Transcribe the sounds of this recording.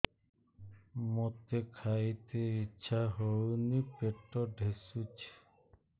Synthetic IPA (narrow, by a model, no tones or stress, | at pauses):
mot̪ekʰajt̪eitːɕʰaɦownipeʈːɔɖʱesut͡ɕʰ